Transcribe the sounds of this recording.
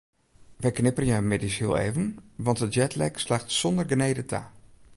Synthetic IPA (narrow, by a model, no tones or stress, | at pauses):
ʋəjknɪpərnjawmɪdishiəlˠḛːvənʋɑntəjɛtlɛ̰kslaːxtsɔndərɡəneːdətʰa̰